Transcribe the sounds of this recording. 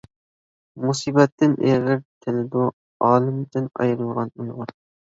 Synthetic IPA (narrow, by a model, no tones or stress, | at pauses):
musibɛt̪ʰːɪnʔeʁɪɾt̪ʰɪlɪd̪u | ɑːlˠɨmd̪ɪnɑ̰jɾmʁɑnujʁʊɾ